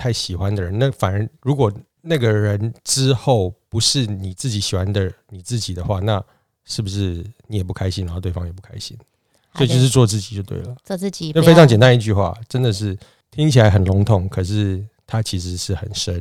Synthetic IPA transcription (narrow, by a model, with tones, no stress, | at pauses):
t̪ʰa˥˩ɪɕi˨˩xwa˦nd̪ə˨ɻə˧˦na˥˩fa˨˩nə˧˥ɻu˧˥kwɔ˨˩ | na˥˩ɡə˩ɻə˧˦nʈ͡ʂɻ̩˦xo˥˩ʊpu˧˥ʂɻ̩˥˩ni˨˩t͡sɹ̩˥˩t͡ɕi˧˥ɕi˨˩xwa˦nd̪ə˨ni˨˩t͡sɹ̩˥˩t͡ɕi˨˩d̪ə˦xwa˥˧na˥˧ | ʂɻ̩˥˩bu˩ʂɻ̩˥˩ni˨˥jɛ˨˩pu˥˩kʰa˥ɪɕi˥n˧˥xt̪we˥˩ɑ˥ŋjp̬u˥˩kʰa̰˥ɪɕḭ˦˥n | sɔ˥i˨t͡ɕo˥˧ʊʂɻ̩˥˧t͡swɔ˥˧t͡sɹ̩˥˩t͡ɕi˨˩t͡ɕjo˥˧ʊt̪wḛ˥˩ɪlə˩˥˧t͡ɕfe˥ɪɑ˧˦ŋt͡ɕjɛ˨˩nt̪a˥n˧i˥˧t͡ɕy˥˧xwa̰˥˩ʈ͡ʂə˦˥nd̪ə˨ʂ̬ɻ̩˥˩ | t̪ʰi˥ŋt͡ɕʰi˨˩la˧˦ɪxə˨˩nlʊ˧˦˥ŋt̪ʰʊ˨˩˦ŋkʰɤə˨˩ʂɻ̩˥˩t̪ʰa˦˥t͡ɕʰi˧˥ʂ̬ɻ̩˧˥ʂɻ̩˥˩xə˨˩nʂə˦n